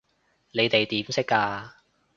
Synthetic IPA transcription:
ne˨˧jt̪e˨jt̪iː˨˥msɪ˥kːaː˧

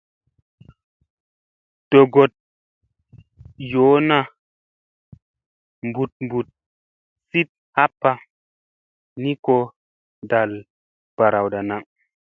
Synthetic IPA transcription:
d̥o˨ɡo˨t̚ | joː˨˦na˦ | mbu˨t̚mbu˨t̚ | si˦t̚ | ha˦pːa˨ | ni˦ko˦ | da˨l | b̥a˨ɾa˨wda˨na˨˦ŋ

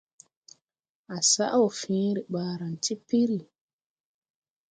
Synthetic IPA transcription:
ʔa˨sa˦ʔwɔ˨fĩː˦ɾi˨ɓaː˨ɾa˨nti˦pi˦ɾi˨

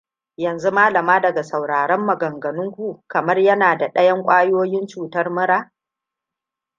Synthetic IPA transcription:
jɐ˨nzu˦maː˦lɐ˨maː˦dɐ˨ɡa˨sɐ˨wɽaː˨ɽɐ˦mːɐ˨ɡɐ˨ŋɡɐ˨nʊ˦ŋkʷu˦kɐ˨mɐ˦rjɐ˦naː˨da˨ɗɐ˦jɐ˦ŋkʷʼaː˦jɪ˦oː˦jɪ˦nt͡ʃuː˨tɐ˦rmɐ˦ɾaː˦

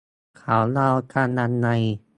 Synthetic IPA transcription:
kʰa˨˦wla˧wt̪ʰa˧na˧nːa˧j

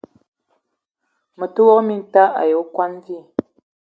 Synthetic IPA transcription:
mə˨tə˦wɔ˦mi˦n˦ta˦ʔa̰˨jo˨˦kwa˦n˦vi˦˨

